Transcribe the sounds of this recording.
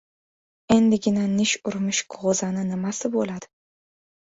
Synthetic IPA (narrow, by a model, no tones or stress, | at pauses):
e̞nd̪ɪɡʲɪnanɪʃʊɾmɪʃkʰʁozanɪnɪmasɪbolad̪̥ɪ